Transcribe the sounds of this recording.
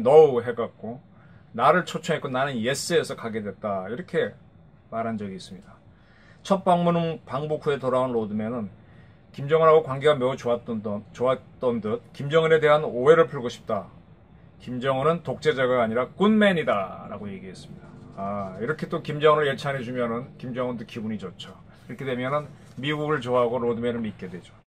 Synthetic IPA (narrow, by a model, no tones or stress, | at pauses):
nʌuɦe̞ɡak̚k͈o | naɾɯɭt͡ɕʰot͡ɕʰʌŋɦek͈onanɯnje̞s͈ɯe̞sʰʌkaɡe̞dwe̞t̚t͈aiɾʌkʰe̞ | maɾɦand͡ʑʌɡiːs͈ɯmɲida | t͡ɕʰʌt̚p͈aŋmunɯnpaŋbokʰue̞toɾaonɾodɯmenɯn | kimd͡ʑʌŋɯnɦaɡokwaŋɡiɡame̞ut͡ɕoat͡ɕoat͈ʌndɯt̚kimd͡ʑʌŋɯne̞de̞ɦanoɦe̞ɾɯɭpʰɯɭɡoɕʰi̥p̚t͈a | kimd͡ʑʌŋɯnɯntok̚t͡ɕ͈e̞d͡ʑaɡaːɲiɾak͈unme̞ɲidaɾa̰ɡoje̞ɡiɦe̞s͈ɯ̥mɲidaːiɾʌkʰe̞t͈okimd͡ʑʌŋɯnɯɭjet͡ɕʰanɦe̞d͡ʑumjʌnɯnkimd͡ʑʌŋɯndokibuɲid͡ʑot͡ɕʰo | iɾʌkʰe̞dwe̞mjʌnɯn | miɡuɡɯɭt͡ɕoɦaɡoɾodɯme̞nɯnmit̚k͈e̞dwe̞d͡ʑo